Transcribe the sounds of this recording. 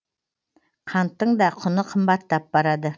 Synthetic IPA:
qʰɑnt̪ːəɴd̪ɑqʰʊnəqʰəmbɑt̪ːɑp̚bɑɾɑd̪ə

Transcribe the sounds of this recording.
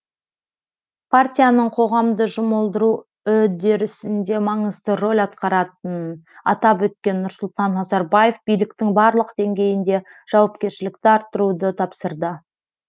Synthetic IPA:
pʰart̪ʲijanəɴqʰo̞ʁɑmd̪əʒʊməlˠd̪əɾu | ɵd̪e̞ɾɪsɪnd̪e̞mɑɴəzd̪əro̞lʲɑt̪qɑɾɑt̪ənɑ̰t̪ɑpwɵt̪̚kʲe̞nːʊɾsʊlˠt̪ɑnːɑzɑɾbajefbijlɪk̚t̪ɪŋbɑɾlˠəqd̪̥e̞ŋɡʲe̞jɪnd̪e̞ʒ̥ɑwɑp̚kʲe̞ɾʃɪlɪk̚t̪ɪɑɾt̪ːəɾud̪ət̪ʰɑpsəɾd̪ə

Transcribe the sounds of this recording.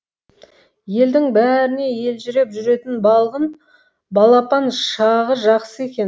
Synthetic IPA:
je̞ld̪ɪŋbæɾɪne̞je̞lʒʏɾe̞pʒʏɾe̞t̪ɪnbɑlˠʁən | bɑlˠɑpɑnʃɑʁəʒɑqsəe̞kʲe̞n

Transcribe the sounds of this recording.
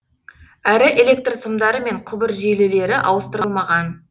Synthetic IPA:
æɾɪʔe̞lʲe̞k̚t̪rsəmd̪ɑɾəme̞ɴqʰʊbəɾʒelele̞ɾɪʔɑ̰wəst̪əɾəlˠmɑʁɑn

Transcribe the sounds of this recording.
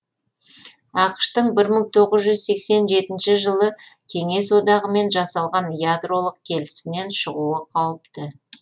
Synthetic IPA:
ɑqʃt̪əɴbɪɾməɴt̪ʰo̞ʁəzʒʏzse̞kse̞nʒe̞t̪ɪnʃɪʒəlˠəkʲʰe̞ŋe̞s̬wo̞d̪ɑʁəme̞nʒɑsɑlˠʁɑnjad̪ro̞lˠəq̚kʲʰe̞lɪsmɪne̞nʃəʁuəqʰɑwəpt̪ə

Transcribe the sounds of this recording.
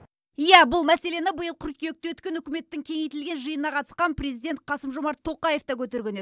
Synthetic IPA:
ijæbʊlˠmæse̞le̞nɪbəjəlˠqʲʰʏɾkʲejek̚t̪ewɵt̪kʲe̞nʏkʲɪme̞t̪ːɪŋkʲʰe̞ŋejt̪ɪlɡʲe̞nʒɨjənnɑqʰɑt̪ə̥sqɑnprʲe̞zijd̪e̞nt̪̚qʰɑsəmʒomɑɾt̪ʰːo̞qɑje̞ft̪ɑkʲʰɵt̪e̞ɾɡʲe̞ne

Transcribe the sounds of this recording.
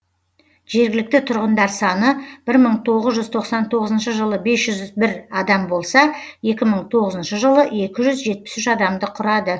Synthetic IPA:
ʒ̥e̞ɾɡʲɪlɪk̚t̪ɪt̪ʰʊɾʁənd̪ɑɾsɑnəb̥ɪɾməɴt̪ʰo̞ʁəzʒʏzt̪ʰo̞qsɑnt̪ʰo̞ʁəzənʃəʒəlˠəbe̞sʒ̥ʏzbɪɾɑd̪ɑmbo̞lˠsɑje̞kʲɪməɴt̪ʰo̞ʁəzənʃəʒəlˠəe̞kʲɪʒʏzʒe̞t̪̚pɪ̥sʏʃɑd̪ɑmd̪əqʰʊɾɑd̪ə

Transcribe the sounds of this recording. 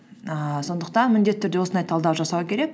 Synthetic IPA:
əso̞nd̪əqt̪ɑnmɪnd̪e̞t̪ɪt̪ːʰʏɾd̪e̞wo̞sənd̪ɑjt̪ʰɑlˠd̪ɑwʒɑsɑwəkʲʰe̞ɾe̞k

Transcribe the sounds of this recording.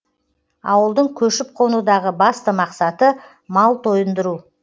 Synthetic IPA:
ɑ̰wəlˠd̪əɴkʲʰɵʃɪp̚qʰo̞nud̪ɑʁəbɑst̪əmɑqsɑt̪ə | mɑlˠt̪ʰo̞jənd̪əɾu

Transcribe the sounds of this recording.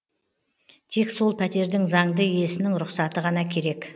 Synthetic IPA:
t̪ʰekso̞lˠpʰæt̪e̞ɾd̪ɪŋzɑŋd̪əije̞sɪnɪŋɾʊqsɑt̪əʁɑnɑkʲʰe̞ɾe̞k

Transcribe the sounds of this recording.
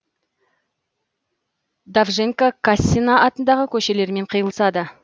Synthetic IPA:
d̪avʒeŋkakasʲːinaɑt̪ənd̪ɑʁəkʲʰɵʃe̞le̞ɾme̞ɴqʰəjəlˠə̥sɑd̪ə

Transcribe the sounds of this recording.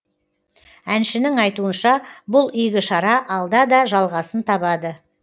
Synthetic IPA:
ænʃɪnɪŋɑjt̪uənʃɑbʊlˠʏjɡʲɪʃɑɾɑʔɑlˠd̪ɑd̪ɑʒɑlˠʁɑsənt̪ʰɑbɑd̪ə

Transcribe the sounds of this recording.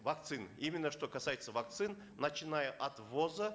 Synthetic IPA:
vɐk̚t̪sɨnimʲɪnːəʂt̪o̞kɐsajɪt̪səvɐk̚t̪sɨn | nət͡ɕɪnajəʔɐt̪vozə

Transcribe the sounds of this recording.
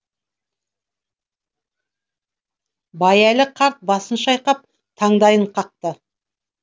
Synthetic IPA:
bɑjælɪqʰɑɾt̪̚bɑsənʃɑjqɑp̚ | t̪ʰɑɴd̪ɑjəɴqʰɑq̚t̪ə

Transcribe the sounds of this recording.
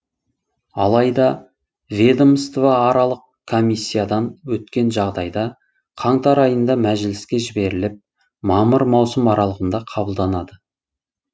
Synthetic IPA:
ɑlˠɑjd̪ɑ | vʲed̪omst̪vɑːɾɑlˠəq | kʰːo̞mʲisʲːijad̪ɑnwɵt̪kʲe̞nʒɑʁd̪ɑjd̪ɑ | qʰɑɴt̪ɑɾɑjənd̪ɑmæʒɪlɪskʲe̞ʒɪbe̞ɾɪlɪp̚ | mɑməɾmɑwsəmɑɾɑlˠəʁənd̪ɑqʰɑbəlˠd̪ɑnɑd̪ə

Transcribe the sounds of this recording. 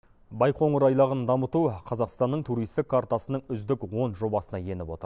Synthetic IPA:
bɑjqʰo̞ɴəɾɑjlˠɑʁənd̪ɑmət̪uqʰɑzɑqst̪ɑnːəɴt̪ʰuɾijst̪ɪkʰːaɾt̪ɑsənəɴʏzd̪ɪkwo̞nʒo̞bɑsənɑje̞nɪpwo̞t̪əɾ

